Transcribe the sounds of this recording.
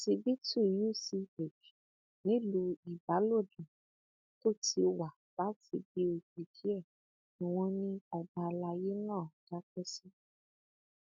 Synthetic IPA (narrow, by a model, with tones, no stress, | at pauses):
ti˧bi˦tu˦˨ju˦˨si˧e˨d͡ʒu˨ | nĩ˨˦lu˧i˨ba˨˦lo˦˨dũ˨ | to˦˨ti˧wa˨ | la˨˦ti˧bi˧˦o˧˨k͡pe˨d͡ʒi˨˦ɛ˦˨ | ĩ˨w̃ɔ̃˧nĩ˦ɔ˧ba˧la˧je˦nãː˦˨d̥a˦k͡pɛ˦si˦